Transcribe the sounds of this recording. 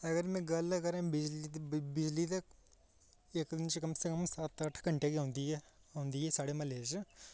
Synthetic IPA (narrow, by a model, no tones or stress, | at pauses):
ɐɡəɾmẽːɡɐlkɐɾãːbɪd͡ʒlibɪd͡ʒlit̪ɐk | ekd̪ɪnt͡ʃkɐmsekɐmsaːt̪aʈʰɡɐɳʈekiãːnd̪iɦɛaːnd̪iːɦɛːsaːɽemɐleːd͡ʒ